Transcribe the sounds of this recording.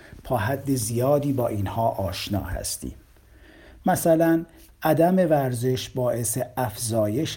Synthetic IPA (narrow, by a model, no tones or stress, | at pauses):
p̪ʰɒːɦæd̪ːe̞zijɒːd̪iːbɒːʔiːnhɒːʔɒːʃnɒ̰ːhæ̰st̪ḭːm | mæsælæn | ʔæd̪æme̞væɾze̞ʃbɒːʔe̞seæfzɒːje̞ʃ